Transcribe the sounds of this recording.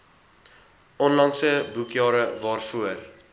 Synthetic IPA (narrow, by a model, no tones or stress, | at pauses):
ɔnlɐŋsəbukjɑːɾəvɑːrfuər